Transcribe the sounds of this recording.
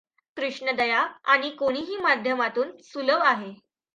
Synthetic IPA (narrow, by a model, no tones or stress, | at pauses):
kɾuʂɳəd̪əjaaɽ̃ikoɽ̃iɦiːmad̪ʱjəmat̪uːnsuləʋaɦe